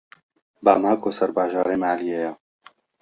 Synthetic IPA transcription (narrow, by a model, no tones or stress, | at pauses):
baːmaːkʰoːsɐɾbaːʒaːɾeːmaːlijeja